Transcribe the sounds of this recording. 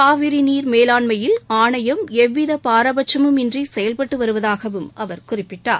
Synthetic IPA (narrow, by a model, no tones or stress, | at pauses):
aːʋɪɾiniːɾmeːlaːɳmɐjɪlaːɳɐjɐmɛʋːɪðɐpaːɾɐbɐt͡ʃːɐmɯmɪndrisɛjɐlpɐʈːɯʋɐɾɯʋɐðaːɣɐʋɯmʔɐʋɐɾkʊrɪpːɪʈːaːɾ